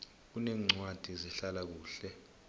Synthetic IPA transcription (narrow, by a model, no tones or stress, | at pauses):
k̬unɛːŋ͡ǀwad̥ʱizɛɬalak̬uːɬɛ